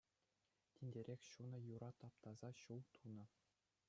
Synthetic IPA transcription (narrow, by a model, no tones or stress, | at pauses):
tʲinʲdʲeɾʲexʲɕunɤ̆juɾɑt̪ɑpt̪ɑzɑɕulˠt̪ʰunɤ̆